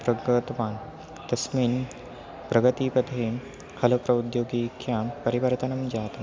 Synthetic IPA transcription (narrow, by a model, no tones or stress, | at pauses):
pɾəɡət̪ʋan | t̪ɐsmiːn | pɾɐɡət̪ipəd̪ʱe | hɐləpɾɐud̪joɡikjãpɐɾibəɾit̪anɐmd͡ʑat̪a